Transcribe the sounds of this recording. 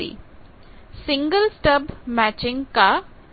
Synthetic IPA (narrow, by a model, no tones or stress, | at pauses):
ḭ | sɪ̃ŋɡəlsʈɐbmæːt͡ʃɪ̃ŋɡka